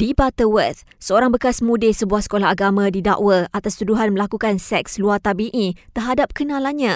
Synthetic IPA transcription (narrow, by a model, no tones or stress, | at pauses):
d̥ibat̪əwət̪̚ | səoɾaŋbəkasmũdɪsəbuahsə̥kolaɦaɡamãdida̰ʔwəʔat̪ast̪uduɦanmə̃lakukansɛk̚sluat̪abiʔit̪ərɦadap̚kənãlanɲã